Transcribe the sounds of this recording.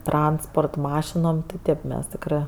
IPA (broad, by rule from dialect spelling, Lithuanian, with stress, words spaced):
ˈtrɐnspoːrt ˈmɑːʃʲɪnoːm tʲɪ ˈtʲeːp ˈmʲɛs ˈtʲɪkrɜ